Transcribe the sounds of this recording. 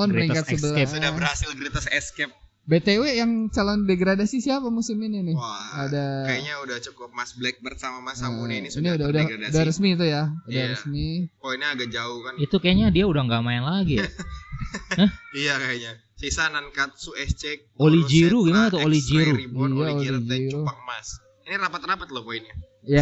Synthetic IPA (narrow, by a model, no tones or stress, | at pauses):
ɔnpəɾiŋkat̪səbəlɛabəɾhasɪlkɾit̪asɛskɛp̚ | bet̪ewejaŋt͡ʃalɔndeɡɾadasisiapamusʊmɪninɪadakajaɲaudaht͡ʃukʊp̚masblɛk̚bərsamamasʔniniudaudahudahrəsmiːt̪̬ujaudahɾəsmipoinaaɡak̚d͡ʒaʊhkanit̪ukajaɲadiaudaŋɡamaɪnlaɡi | əhijakajaɲa | sisanankat̪̚suɛst͡ʃɛk̚olid͡ʒiɾuɡimanat̪uolid͡ʒiɾuijaolid͡ʒiɾuaŋmas | inirapat̪rapat̪̚lohpoinɲa | ja